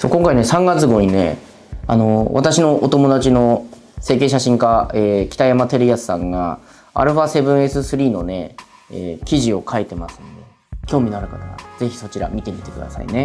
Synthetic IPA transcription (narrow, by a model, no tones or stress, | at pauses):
so̞̰ːkoŋkaine̞sãŋɡat͡sɨɡo̞ɲ̟ine̞̰ | a̰no̞βa̰t̪aɕino̞ʔot̪o̞mo̞d̪at͡ɕino̞ | se̞ːke̞ːɕaɕĩŋkaeːkʲi̥t̪ajamat̪e̞ɾɯ̟jasɨ̥sãŋɡa̰ | a̰ɾɯ̟ɸaːse̞bɯ̟̃ɰ̃e̞sɨsɨɾʲiːno̞ne̞ | ḛːkʲiʑio̞kʰait̪e̞masɨ̥nod̪e̞ | kʲo̞ːmʲinaɾɯ̟kat̪aɾa̰d͡ze̞çi̥so̞t͡ɕiɾa̰mʲit̪e̞mʲit̪e̞kɯ̟d̪a̰sa̰ḭne̞